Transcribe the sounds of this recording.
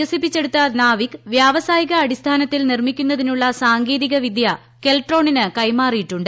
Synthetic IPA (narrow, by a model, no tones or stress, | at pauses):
ɐsipːit͡ɕːe̞ɽut̪ːɐnaːʋikʋjaːʋɐsaːjiɣɐːɽist̪ʰaːnɐt̪ːilnirmikʲːunːɐðinuɭːɐsaːŋɡeːðiɣɐʋid̪jɐ | ke̞lʈro̞ːɳinɨkɐjmaːrijiʈːuɳɖɨ